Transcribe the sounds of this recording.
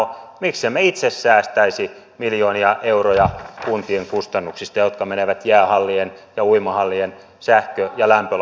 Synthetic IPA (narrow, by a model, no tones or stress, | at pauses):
omikssemːeit̪sesːæːst̪æisi | miljoːniɑʔeurojɑkunt̪ieŋkust̪ɑnːuksist̪ɑjot̪kɑmeneʋæt̪jæːhɑlːienjɑuimɑhɑlːien | sæhkøjɑlæmpø